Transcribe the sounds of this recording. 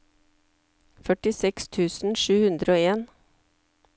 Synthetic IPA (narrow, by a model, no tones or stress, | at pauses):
fœʈɪsɛkst̪ʰʉːsn̩ʃʉːhʉnd̪ɾəoːeːn